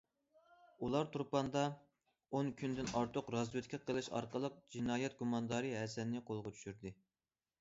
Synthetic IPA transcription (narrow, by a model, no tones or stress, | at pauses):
ulˠɑɾt̪ʰuɾpɑnd̪ɑ | onkʲʰynd̪ɪnɑɾt̪ʰʊqɾɑzɨt̪kʲʰɛqʰəlˠɨʃɑ̰ɾqəlˠəq̚d͡ʒinɑːjɛt̪̚ɡumɑnd̪ɑɾɨɦɛsɛnːɪqʰolˠʁɑt͡ʃ̪ʰy̥ʃyɾd̪ɪ